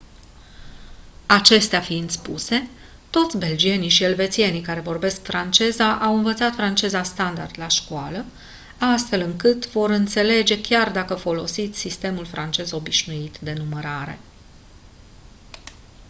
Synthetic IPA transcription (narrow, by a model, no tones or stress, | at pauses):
at͡ʃe̞st̪eafind̪spṵse̞ | t̪o̞t̪sʲbe̞ld͡ʒie̞nijʃie̞lve̞t̪sije̞nijkaɾe̞vo̞rbe̞skfɾant͡ʃe̞zaʔawɨnvət̪sat̪fɾant͡ʃe̞zast̪and̪a̰rd̪laʃkuwalə | ast̪fe̞lɨŋkɨt̪vo̞ɾɨnt̪se̞le̞d͡ʒe̞kʲard̪akəfo̞lo̞sit̪sʲsist̪e̞mulfɾant͡ʃe̞zo̞biʃnuit̪d̪e̞numəɾaɾe̞̰